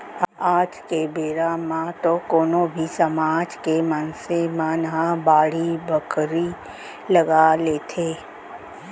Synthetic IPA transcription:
aːd͡ʒkebeːɾamãt̪okoːnobʱisəmaːd͡ʒkemənsemãːnɦãbaːɽibəkɾi | ləɡaleːt̪ʰeː

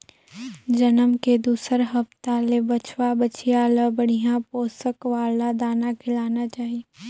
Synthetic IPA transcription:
d͡ʒɐnəmked̪uːsəɾɦɐpt̪alebɐt͡ʃʰwabət͡ʃijaləbəɽ̤ijãpoːsəkʋaːlad̪aːnakʰɪlaːnat͡ʃaːɦie

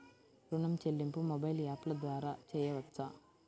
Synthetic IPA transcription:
ɾuɳɐmt͡ʃelːimpumobɐjljaːplɐd̪ʋaːɾaːt͡ʃɛːjɐʋɐt̪ːsa

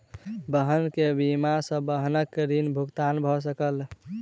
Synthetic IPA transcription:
bəɦənkebimasə̃bəɦnəkːed̪inbʱuɡt̪anbʱɔs̬əkəl

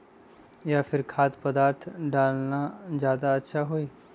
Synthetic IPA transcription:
jaːfʰɪɾkʰaːt̪pəd̪aːɾt̪ʰɖaːlnazjaːd̪aɐtːʃʰaɦoiː

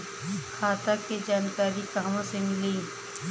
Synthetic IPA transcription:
xʰaːt̪aked͡ʒaːnkaːɾikaːmõsemɪliː

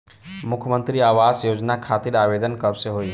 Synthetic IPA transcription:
mʊkʰjmə̃nt̪ɾiaːʋaːsjoːd͡ʒnakʰaːt̪iɾaːʋed̪ənkɐbseɦoiː

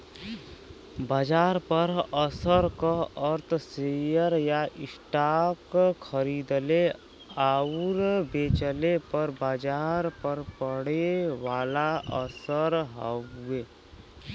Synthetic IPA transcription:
baːd͡ʒaːɾpəɾəsəɾkaəɾt̪ʰsejəɾjaʔɪsʈaːkkʰəɾiːd̪le | aːɾbeːt͡ʃəlepəɾbaːd͡ʒaːɾpəɾpəɽeʋaːlaə̰səɾɦəueː

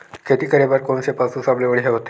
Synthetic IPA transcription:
kʰet̪iːkəɾebəɾkoɳsepasũsableʋəɽiɦeɦot̪e̥

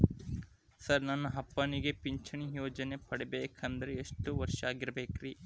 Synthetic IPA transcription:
sɐɾnɐnːɐɦɐpːɐniɡepiɲt͡ʃʰɐɳijoːd͡ʒɐne̞pɐɽebeːkʰɐnd̪ɐɾeːʂʈuʋɐɾʂɐaːɡiɾɐbeːkɾiː

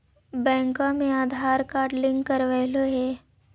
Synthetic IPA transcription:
bɛ̃ːŋkãmẽaːd̪ʱaːɾkaːʈlɪ̃ŋɡkːəɾʋəloɦɛː

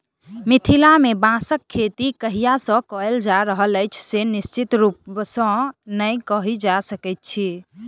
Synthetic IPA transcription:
mit̪ʰilamebãsəkʰːet̪ikəɦijasə̃kɔeld͡ʒaɾəɦələjt͡ʃʰsenist͡ʃit̪ɾupsə̃nəjkəɦid͡ʒasəkɛt̪̚t͡ʃʰi

